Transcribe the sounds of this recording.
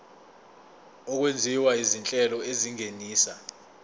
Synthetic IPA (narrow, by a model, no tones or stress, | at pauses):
ɔk̬wend͡zʱiwaizint͡ɬʼɛlɔeziŋeniːsa